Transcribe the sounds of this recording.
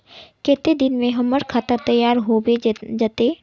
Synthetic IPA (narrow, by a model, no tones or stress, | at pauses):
kɛːt̪ed̪ɪnmẽɦɐməɾkʰaːt̪əɾt̪ɐjaːɾɦobed͡ʒat̪eː